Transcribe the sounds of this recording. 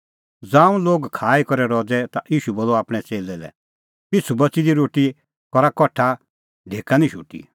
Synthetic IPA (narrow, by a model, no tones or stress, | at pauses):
d͡zãːũloːɡkʰaːikɔɾɛɾɔd͡zɛt̪aʔiːʃuboːlɔaːpɽ̃ɛt͡seːlɛlɛ̰ | t̪ɪt͡sʰubɐt͡sid̪iɾoːʈi | kɔɾakɔʈʰa | ɖʱeːkanĩʃṵʈḭ